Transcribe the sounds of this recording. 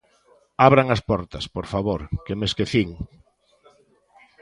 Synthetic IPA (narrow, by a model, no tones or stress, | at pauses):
aβɾaŋɐspɔɾt̪ɐspoɾfaβoɾkemeskeθiŋ